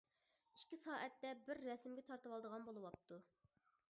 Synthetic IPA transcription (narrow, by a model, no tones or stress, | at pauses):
iʃkʲisɑːʔɛt̪ːɛbɪɾːɛsɪmɡʲɛt̪ʰɑɾt̪əwɑlˠd̪əʁɑnbolˠɨwɑp̚t̪ʰu